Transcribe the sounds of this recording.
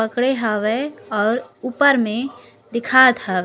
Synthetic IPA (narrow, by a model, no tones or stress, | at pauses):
əkɽeɦəʋeɔːɾuːpəɾmẽ | d̪ɪkʰaːt̪ɦəʋ